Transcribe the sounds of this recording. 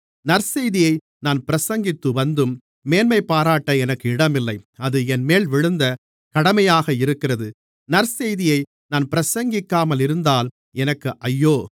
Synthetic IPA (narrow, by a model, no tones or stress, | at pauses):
nɐɾsɛjðɪjɐɪ | naːnpɪɾɐsɐŋɡɪt̪ːɯʋɐnd̪ɯmː | eːnmɐɪpːaːɾaːʈːɐɛnɐkːɯɪɽɐmɪlːɐɪɐðɯɛnmeːɭʋɪɻɯnd̪ɐ | kɐɽɐmɐjaːɣɐɪɾɯkːɪrɐðɯ | nɐɾsɛjðɪjɐɪ | naːnpɪɾɐsɐŋɡɪkːaːmɐlɪɾɯnd̪aːl | ɛnɐkːɯʔɐjːoː